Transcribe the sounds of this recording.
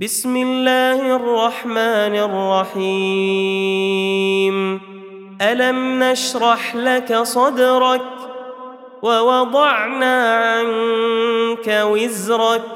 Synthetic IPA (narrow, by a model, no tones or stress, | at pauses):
bɪsmɪlːaːhʔɑrˤːɑħmaːnɪʔrˤːɑħiː | m | ʔalamnaʃɾˤɑħlakasˤɑd̪ɾˤɑk̚ | wɑwɑd̪ˤɑʕnaːʕan | kawɪzɾɑk̚